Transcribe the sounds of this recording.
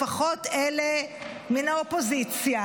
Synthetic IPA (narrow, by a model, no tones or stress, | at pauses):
aχo̞tele | minaopo̞zit͡sja